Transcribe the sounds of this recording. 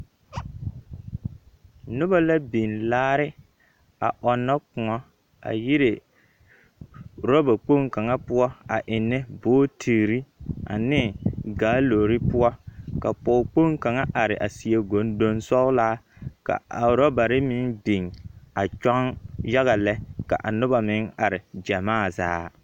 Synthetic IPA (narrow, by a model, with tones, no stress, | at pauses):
nʊ˦ba˦la˦bi˨nlaː˦ɾɪ˦ | a̰˨ʔɔ˨nːɔ˦kʊ˨ŋɔ˦ | a̰˨ji˦ɾɪ˨ | ɾɔ˦ba˨k͡po˦ŋka˨ŋa˦pʊ˦ɔ˦a˨ʔɪ˨nːɛ˦boː˦tʰi˨ɾi˦a̰˨nɪ˦ɡaː˦lo˨ɾɪ˦pʊ˦ɔ˦ka˨pɔ˨ʊ˨k͡po˦ŋka˨ŋa˦ʔa˨ɾɪ˨ʔa̰˨si˨e˦ɡo˨˦n˦do˦nsɔ˦laː˦ka̰˨a˨ɾɔ˦ba˨ɾɪ˦mɪ˦nbi˨ŋa˨t͡ʃa˦ŋja˦ɣa˨lɛ˦ka̰˨ʔa˨nʊ˦ba˨mɪ˦ŋa˨ɾɪ˨d͡ʒa˨maː˦˨za̰ː˦